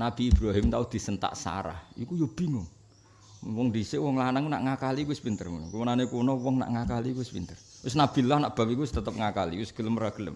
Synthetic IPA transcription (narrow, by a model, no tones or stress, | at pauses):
nab̥iːb̥ɾaɦɪmt̪aud̪̥i̤sənt̪a̰ʔsa̰ɾa̰hikujob̥i̤ŋʊŋ | wɔŋdisɪwɔŋlanaŋuna̰ʔŋakalikuɪspint̪ərmunkuwənanekunɔwɔŋna̰ʔŋakalikuɪspint̪ər | ʊsnab̥i̤lɔhnaʔb̥a̤p̚ikuwɪst̪ət̪əp̚ŋakalḭwɪsɡ̥ələmraɡ̥ələ̰m